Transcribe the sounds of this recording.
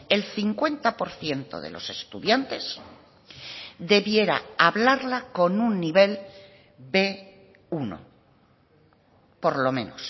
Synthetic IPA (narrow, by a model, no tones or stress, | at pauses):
e̞lθiŋkwe̞nt̪apo̞ɾθje̞nt̪o̞̰ðe̞̰lo̞̰se̞st̪uðjant̪e̞s | ðe̞βje̞ɾa̰aβlaɾlako̞nunːiβe̞l | be | uno̰ | po̞ɾlo̞mẽ̞no̰s